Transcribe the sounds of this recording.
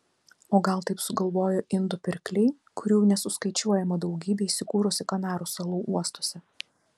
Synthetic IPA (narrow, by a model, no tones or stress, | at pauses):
oːɡɐlˠt̪ɐɪpsʊɡɐlˠʋoːjoːʔɪnd̪ʊpʲɪɾʲklʲɛɪ | kʊɾʲuːnʲɛsʊskɐɪt͡ʃʲuɔjɛmɐd̪ɐʊɡʲiːbʲɛiːsʲɪkuːɾʊsʲɪkɐnɑːɾuːsɐlˠuːʔuɔst̪oːsʲɛ